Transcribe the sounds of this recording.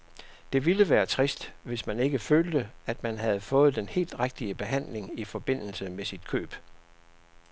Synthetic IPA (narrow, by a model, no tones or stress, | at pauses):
d̥e̝ʋiləʋæːɐt͡sʰʁisd̥ʋe̝smæne̝ɡ̥əføːld̥əæd̥mænɦæð̞̩ˠfɔ̽ːð̞̩ˠd̥enhe̝̰ːld̥ʁaɡ̥̚d̥iəb̥e̝ɦæn̰le̝ŋifɒ̽b̥e̝n̰l̩səmesid̥kʰø̰ːb̥